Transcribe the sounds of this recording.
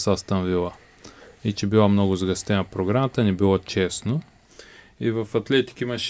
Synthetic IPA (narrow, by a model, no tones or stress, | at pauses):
sast̪ɐnvilˠɐ | it͡ʃɛbilˠamnɔɡʊzɡɐst̪ɛnɐpɾoɡɾamɐt̪ənɛbilˠat͡ʃɛsno | ivɐfɐt̪lɛt̪i̥kimɐʃ